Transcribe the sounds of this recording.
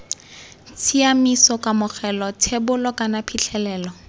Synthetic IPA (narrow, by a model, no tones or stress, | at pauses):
t͡sʰiamisɔkamʊk͡xʰɛlɔtʰebʊlɔkʼanapʰit͡ɬʰɛlɛːlɔ